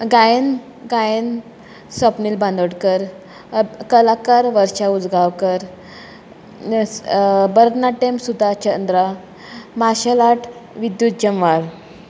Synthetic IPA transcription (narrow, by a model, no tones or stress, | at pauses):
ɡajn | ɡajən | səpnilbãnd̪əɽkəɾ | kəlakaɾʋəɾɕaud͡zɡawkəɾ | bəɾət̪naʈemsud̪ʱat͡ɕənd̪ɾa | maɕalaʈʰʋid̪jut̪̚d͡ʑəmʋaɾ